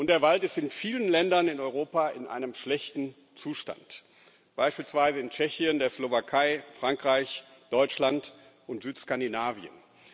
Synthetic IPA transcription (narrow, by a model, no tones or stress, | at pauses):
ʔʊnt̚d̥eːɐvaltɪstɪnfiːlənlɛndɐnɪnɔʏʁoːpaʔɪnʔa̰ɪnəmʃlɛçtn̩ | t͡suːʃta̰nt | b̥aɪʃpiːlsv̥aɪzəɪnt͡ʃɛçiəndeːɐslovakʰaɪfʁ̥aŋkʁ̥aɪç | d̥ɔʏt͡ʃlant | ʔʊntz̥yːtskandinaːviə̰n